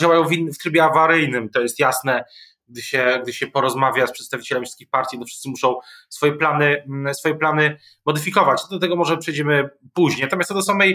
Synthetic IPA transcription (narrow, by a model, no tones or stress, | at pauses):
d͡ʑawajɔ̃w̃vʲinːft̪ɾɘbʲjɛavaɾɘjnɘmt̪ɔjɛst̪jasnɛ | ɡ̚d̪ɘɕɛɡ̚d̪ɘɕɛpɔɾɔzmavʲjaspʂɛt̪st̪avʲit͡ɕɛlɛmfʲiskʲixpaɾt̪ʲjit̪ɔfʂɘ̥st̪sɘmuʂɔ̃w̃sfɔjɛplanɘsfɔjɛplanɘ | mɔd̪ɘfʲikɔvat͡ɕ̪d̪ɔt̪ɛɡɔmɔʐɛpʂɛjd͡ʑɛmɘpuʑɲejnat̪ɔmʲjast̪ɔd̪ɔsamɛj